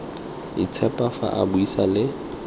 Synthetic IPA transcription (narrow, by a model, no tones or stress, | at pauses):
it͡sʰɛpʼafa̰ʔa̰buisalɪ